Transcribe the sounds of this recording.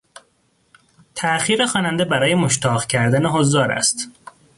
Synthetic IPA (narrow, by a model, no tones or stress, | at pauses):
t̪ʰæxiːɾexɒːnænd̪ebæɾɒːjemoʃt̪ʰɒːɣcʰæɾd̪æneɦozːɒːɾæ̰st̪